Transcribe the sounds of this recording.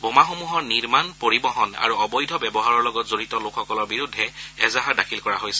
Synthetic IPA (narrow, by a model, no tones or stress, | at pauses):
bomaxomuɦɔɹniɹmanpoɹibɔɦɔna̰ɹuɔbɔjdʱɔbɛbɔɦaɹɔɹlɔɡɔtzoɹitɔlokʰxɔkɔlɔɹbiɹudʱːɛɛzaɦaɹdakʰilkɔɹaɦojsɛ